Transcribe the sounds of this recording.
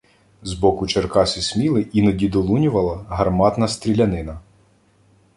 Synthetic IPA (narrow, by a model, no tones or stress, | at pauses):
zbɔkʊt͡ʃerkɑsʲisʲmʲilˠɪinɔdʲid̪ɔlˠunʲʊʋɐlˠɐɦɐrmɑt̪nɐst̪ɾʲilʲɐnɪnɐ